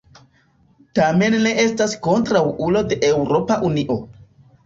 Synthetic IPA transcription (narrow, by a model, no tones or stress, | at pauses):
tame̞nːe̞ʔe̞stasko̞ntɾawulo̞de̞ʔe̞wɾo̞paʔuniʔo̞